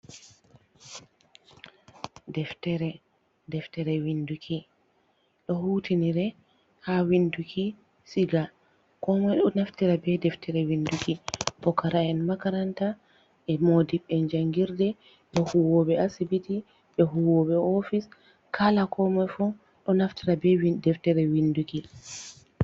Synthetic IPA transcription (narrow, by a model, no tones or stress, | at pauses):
dɛftɛɾɛ | dɛftɛɾɛwindukʰi | ɗɔhuːtʰiniɾɛ | hawindukʰi | siɡa | kɔmɔjɗɔnaftiɾabɛdɛftɛɾɛwindukibɔkːaɾaɛnmakaɾanta | ɛmodiɓɛnd͡ʒaŋɡiɾdɛ | ɓɛhuwɔɓɛasibiti | ɓɛɦuwɔɓɛɔfis | kʰalakʰɔmɔjfu | ɗɔnaftiɾabɛdɛftɛɾɛwinduki